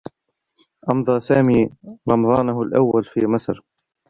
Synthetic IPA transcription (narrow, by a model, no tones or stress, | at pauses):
ʔɑmd̪ˤɑsaːmiːɾˤɑmɑd̪ˤɑːnʊɦʊlʔawːalfḭːmasɾ